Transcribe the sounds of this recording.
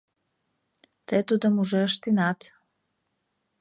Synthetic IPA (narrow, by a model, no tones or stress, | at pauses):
t̪ɛt̪ud̪əmuʒɛʃt̪inat̪